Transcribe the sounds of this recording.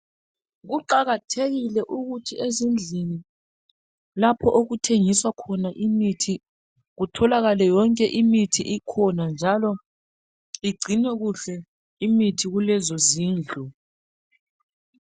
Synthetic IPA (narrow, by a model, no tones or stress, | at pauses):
ɣuǃaɣatʰeɣilɛʔuɣutʰiezind͡ɮʱini | lapʰɔʔoɣutʰeŋiswakʰɔnaʔimitʰi | ɣutʰɔlaɣalɛjɔŋkʼɛʔimitʰiʔikʰɔnand͡ʒʱalɔ | iɡ͡ǀʱinɛɣuɬɛ | imitʰiɣulɛzɔziːnd͡ɮʱɔ